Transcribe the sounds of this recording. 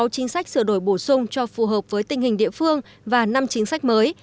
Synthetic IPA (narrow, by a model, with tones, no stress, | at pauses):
wt͡ɕï˨˦ŋ̟sa˦˥k̟̚sɨ˧˩əɗo˧˩jɓo˧˩sʊ˧ŋ͡mt͡ɕɔ˧fu˨˩ɦəː˨˩p̚v̥əː˨˦jt̪ï˨˩ŋ̟hï˨˩ŋ̟ɗḭ˧˨əfɨ˧əŋ | vaː˨˩na˧mt͡ɕï˨˦ŋ̟sa˦˥k̟̚məː˨˦j